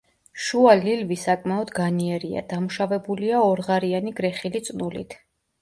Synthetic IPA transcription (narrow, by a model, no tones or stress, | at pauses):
ʃualilvisakʼmɛɔd̪ɡaniɛɾia̰d̪̥amuʃavɛbuliaɔɾʁaɾianiɡɾɛχilit̪sʼnulḭt̪ʰ